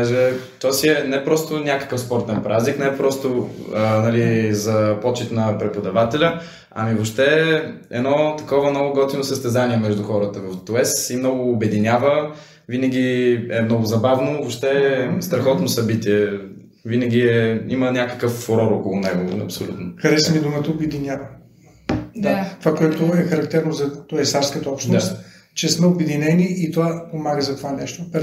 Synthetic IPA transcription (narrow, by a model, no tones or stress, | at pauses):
aʒɛt̪ɔasiɛnɛpɾɔst̪ʊnʲakə̥kəfspɔɾt̪ɛnpɾʔazniknɛpɾɔst̪ʊnɐlizɐpɔt͡ʃit̪nɐpɾɛpʊd̪ɐvat̪ɛlʲə | ɐ̰mivopʃt̪ɛ | ɛ̰nɔt̪ɐkɔvəmnɔɡʊɡɔt̪inosəst̪ɛzaniɛmɛʒd̪uxɔɾət̪əvɐft̪ɛsimnɔɡʊːbɛd̪inʲjavə | vinəɡʲiɛmnɔɡʊzɐbavnovopʃt̪ɛst̪ɾɐxɔt̪nosɐbit̪iɛ | vinəɡʲiɛimənʲakə̥kəfːoɾɔɾokʊlˠʊnɛɡoɐ̰psolʲṵt̪nokɐɾɛsmid̪ʊmət̪əʊbɛd̪inʲjavɐ | d̪at̪ovakoɛt̪ʊɛxɐɾɐk̚t̪ɛɾnozɐt̪ɔɛsafskət̪ɔpʃnast̪ | t͡ʃɛsmɛʊbɛd̪inɛniit̪ovapomaɡəzɐt̪ovanɛʃt̪op